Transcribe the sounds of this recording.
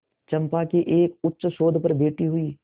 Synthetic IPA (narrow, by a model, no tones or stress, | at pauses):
t͡ʃɐ̃mpakiʔeːkʊtːʃʃoːd̪ʱpɐɾbeːʈiɦʊiː